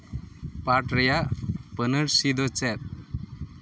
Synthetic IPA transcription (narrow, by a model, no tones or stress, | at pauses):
paʈɾɛjaʔpənəɾsid̪ɔt͡sɛt̪̚